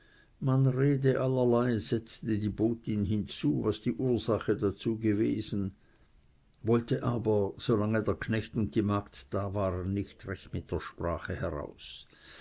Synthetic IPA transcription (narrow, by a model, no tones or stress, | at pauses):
manʁeːdəʔalɐlaɪzɛt͡stədiːboːtɪnɦɪnt͡suːvasd̥iːʔuːɐzaχədat͡suːɡəvḛːzn̩ | vɔltəʔaːbɐz̥olaŋədeːɐkʰnɛçtʊnt̚d̥iːmaːktd̥aːvaːʁənːɪçtʁɛçtmɪt̚d̥eːɐʃpʁ̥aːχəhɛʁa̰ʊs